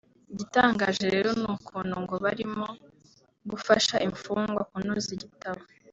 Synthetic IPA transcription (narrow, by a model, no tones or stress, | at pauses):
ɟitaːŋɡaʒeɾe̞ːɾo̞nuːkʰuːnuŋɡo̞βaɾimo̞ | ɡufaʃaʔiɱfuːŋɡwa̰kunuziɟitaβa